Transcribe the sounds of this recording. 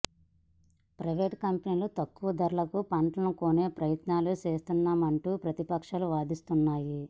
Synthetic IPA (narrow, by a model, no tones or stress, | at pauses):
pɾɐjʋeːʈkɐmpɐniːlut̪ɐkːuʋɐd̪ʱɐɾulɐkupɐɳʈlɐnuko̞ːne̞ːpɾɐjɐt̪naːlut͡ʃe̞ːst̪unːaːmɐɳʈuːpɾɐt̪ipɐkʂɐluʋaːd̪ist̪unːaːji